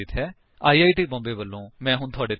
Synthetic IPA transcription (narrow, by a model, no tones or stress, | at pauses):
iːt̪ʰɦɛː | aːiːaːiːʈiːbɔ̃ːmbeːʋəlːõːmɛ̃ːɦʊɳt̪ʰʊaːɖeː